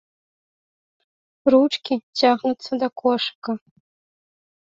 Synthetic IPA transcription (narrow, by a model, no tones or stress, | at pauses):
ruʈ͡ʂʰʼkʲʰid͡ʒaʁnɨt͡sʰadakʷʰɔʂakʼa